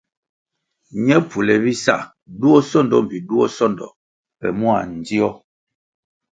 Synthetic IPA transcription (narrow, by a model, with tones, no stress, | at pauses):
ɲɛ˦pu˨lɛ˨bi˦sa˦˨ | du˦ɔ˦sɔ˦ndɔ˦m˨pi˨du˦ɔ˦sɔ˦ndɔ̰˨ | pɛ̰˨mu˦a̰˨n̩˨di˦ɔ˦